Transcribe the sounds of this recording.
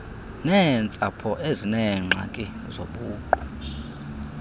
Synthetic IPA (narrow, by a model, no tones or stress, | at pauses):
nɛnt͡sʼapʰɔʔezinɛŋ͡ǁʱa̰kʼɛ | zoɓuːǃɔ